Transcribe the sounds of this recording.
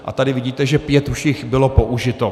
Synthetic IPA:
ʔa̰t̪adɪvɪɟiːt̪ɛʒɛpjɛt̪uʃɪxbɪlo̞poʔuʒɪt̪o

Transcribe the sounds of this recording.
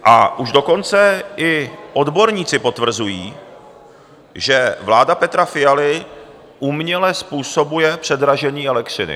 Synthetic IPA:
ʔa̰ʔuʒdo̞ko̞nt͡sɛɪʔo̞dbo̞ɾɲiːt͡sɪpo̞t̪vr̩zujiː | ʒɛvlaːdapɛt̪ɾafɪjalɪ | ʔumɲɛlɛspuːso̞bujɛpr̥ɛdɾaʒɛɲiːʔɛlɛkr̝ɪnɪ̰

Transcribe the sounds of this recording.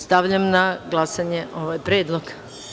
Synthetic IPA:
st̪aʋʎamnaɡlˠasaɲeʔo̞ʋajpɾeːd̪lˠoɡ

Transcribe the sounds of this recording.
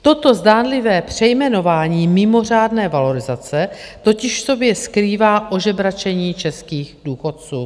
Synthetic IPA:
t̪o̞t̪o̞zdaːnlɪvɛːpr̝̥ɛjmɛno̞vaːɲiːmɪmo̞r̝aːdnɛːvalo̞ɾɪzat͡sɛt̪o̞cɪʃfso̞bjɛskɾiːvaːʔo̞ʒɛbɾat͡ʃɛɲiːt͡ʃɛskiːɣduːxo̞t̪̚t͡suː

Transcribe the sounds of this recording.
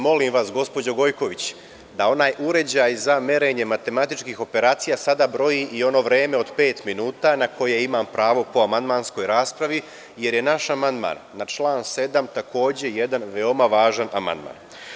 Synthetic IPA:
mo̞limʋasɡo̞spo̞d͡ʑoɡo̞jko̞ʋit͡ɕ | d̪ao̞naːjʔuɾe̞d͡ʑajzame̞ɾe̞ɲe̞mat̪e̞mat̪it͡ʃkixo̞pe̞ɾaːt̪sijasad̪abɾo̞jiʔio̞no̞ʋɾeːme̞o̞d̪pe̞ːt̪minuːt̪anako̞jeimampɾaːʋo̞po̞amand̪maːnsko̞jɾaːspɾaʋi | je̞ɾje̞naʃamand̪ma̰ːnːat͡ʃlˠaːnse̞d̪amt̪akʰo̞ːd͡ʑe̞je̞d̪anʋe̞o̞maʋaːʒanʔama̰nd̪ma̰ːn

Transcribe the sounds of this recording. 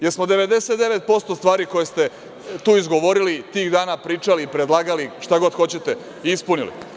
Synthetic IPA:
jeɾsmo̞d̪e̞ʋe̞d̪e̞se̞t̪d̪e̞ʋe̞t̪̚po̞st̪o̞st̪ʋaːɾiko̞jest̪e̞ | t̪uːizɡo̞ʋo̞ɾilit̪iːɣd̪aːnapɾiːt͡ʃaliːpɾed̪lˠaːɡaliʃt̪aɡo̞d̪xo̞t͡ɕe̞t̪e | ispunilḭ

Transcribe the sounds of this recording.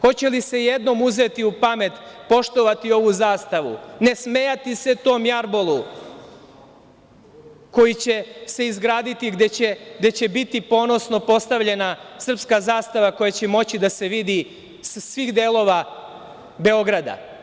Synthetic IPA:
xo̞t͡ɕe̞lise̞jed̪no̞muze̞t̪iupame̞t̪po̞ʃt̪o̞ʋat̪io̞ʋuzaːst̪aʋṵne̞sme̞jat̪ise̞t̪o̞ːmjaɾbolˠu | ko̞jit͡ɕe̞se̞izɡɾaːd̪it̪iɡd̪et͡ɕeɡd̪e̞t͡ɕe̞bit̪ipo̞ːno̞sno̞po̞st̪aʋʎe̞nasr̩pskazaːst̪aʋako̞jat͡ɕe̞mo̞t͡ɕid̪ase̞ʋid̪i | ssʋixd̪eːlo̞ʋa | be̞o̞ɡɾad̪a̰

